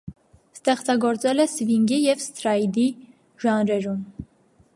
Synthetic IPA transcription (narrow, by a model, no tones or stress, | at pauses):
st̪ɛχt͡sɑɡɔɾt͡sɛlɛsviŋɡijɛvst̪ɾɑjd̪i | ʒɑnɾɛɾum